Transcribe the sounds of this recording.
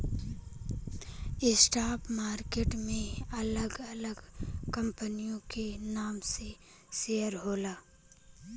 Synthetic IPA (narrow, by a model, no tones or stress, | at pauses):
ɪsʈaːpmaːɾkeːʈmẽɐləɡɐləɡkɐ̃mpənijõkenaːmse | seːəɾɦoːlaː